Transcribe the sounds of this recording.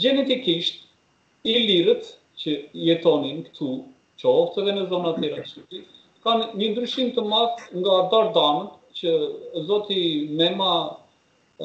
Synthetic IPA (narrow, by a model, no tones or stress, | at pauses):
d͡ʑɛnɛt̪ikiʃt̪ | iliɾət̪ | t͡ɕəjɛt̪ɔninkt̪ʰu | t͡ʃɔft̪ɛðɛnəzɔnat̪jɛɾaʃipi | kanɲənd̪ɾyʃimt̪əmaðŋɡabaɾd̪anət̪t͡ɕəzɔt̪imɛma